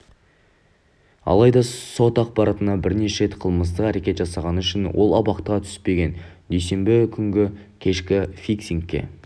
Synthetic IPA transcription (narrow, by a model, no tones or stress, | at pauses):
ɑ̰lˠɑjd̪ɑso̞t̪ɑq̚pɑɾɑt̪ənɑbɪɾne̞ʃɾe̞t̪qʰəlˠməst̪əqæɾe̞kʲe̞t̪ʒɑsɑʁɑnəʏʃɪnwʔo̞̰lˠɑbɑqt̪əʁɑt̪ʰʏ̥spe̞ɡʲe̞n | d̪ejse̞mbɪkʲʰʏŋɡʲɪ | kʲʰe̞ʃkʲɪfiksiŋkʲːe̞̰